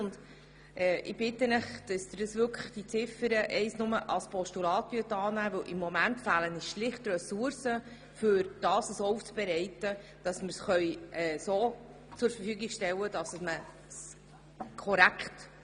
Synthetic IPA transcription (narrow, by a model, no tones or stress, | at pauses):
ʊnd | ʔɛːʔɪb̥ɪtːənəχd̥əsd̪̥ədəsʋʏɾkʰə̥χd̥it͡sɪfəɾəʔɛɪsnʊməʔɑspʰɔʃtulɑːtvyət̪ɑːnæːvɵwʔɪmːɔmæntfæːləniʃlɪχtrɛsuɾsə | fʏɾd̥ɑːsəsouft͡sb̥ɛɾɛɪtə | d̥ɑsmɪɾsχœʏɛːsoː | t͡sʊɾfəɾfyːɡɪɡʃtɛwəd̥ɑsəsmə | s | kʰɔɾækχt